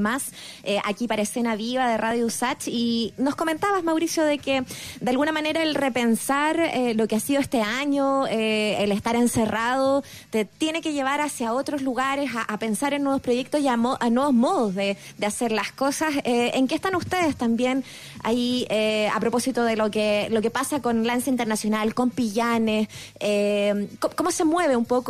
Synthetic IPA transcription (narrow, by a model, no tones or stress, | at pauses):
mas | eʔa̰kipaɾaese̞naβiβaðeraðjousat͡ʃino̞skoment̪aβazmawɾisjoðe̞ked̪ealɣunamane̞ɾaelre̞pe̞nsaɾelo̞keasiðoest̪eaɲoeelest̪aɾe̞nseraðo | t̪et̪je̞ne̞keʝe̞βaɾasjao̞t̪ɾo̞zluɣaɾe̞saʔape̞nsaɾenːweβospɾoʝek̚t̪osiamoʔanwe̞βosmo̞ð̞ozðeðeaseɾlasko̞saseeŋkest̪anust̪e̞ðest̪ambje̞n | a̰iea̰pɾo̞po̞sit̪oðelokelo̞ke̞pasako̞nlansaint̪eɾnasjo̞nalko̞mpiʝanes | emkoko̞mo̞se̞mwe̞β̞eumpo̞k